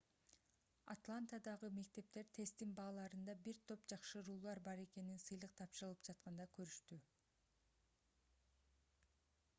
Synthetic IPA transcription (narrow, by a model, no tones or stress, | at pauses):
a̰t̪lˠant̪ad̪ɑʁɯme̞k̚t̪e̞p̚t̪e̞ɾt̪ʰe̞st̪inbɑːlˠɑɾɯnd̪ɑbiɾt̪ʰo̞pd͡ʒɑqʃɯɾuːlˠɑɾbɑɾe̞ke̞ninsɯjlˠɯq̚t̪ʰɑpʃɯɾɯlˠɯpd͡ʒɑt̪̚qɑnd̪ɑkøɾyʃt̪y